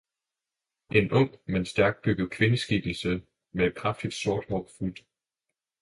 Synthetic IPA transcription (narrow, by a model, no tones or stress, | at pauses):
ʔe̝nɔm̰̥mensd̥æɐɡ̥̚d̥̚b̥yɡ̥ð̩ˠkʰʋe̝nəsɡ̥iɡ̥l̩sə | meed̥̚kʰʁɑfd̥id̥so̝ɐd̥hɒ̥fuld̥